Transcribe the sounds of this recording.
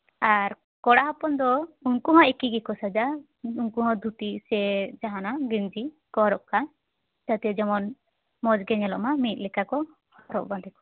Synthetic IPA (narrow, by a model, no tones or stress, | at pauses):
aɾ | kɔɽaɦapɔnd̪ɔuŋkuɦɔ̃ekiɡɛkɔsad͡ʒa | uŋkuɦɔ̃d̪ʱut̪isɛd͡ʒaɦanaɡind͡ʒi | kɔɾɔʔ̚ka | d͡ʒat̪ɛd͡ʒɔmɔn | mɔd͡ʒɡɛɲɛlɔ̰ʔmamit̪̚lɛkakɔ | hɔɾɔ̰ʔband̪ɛkɔ̥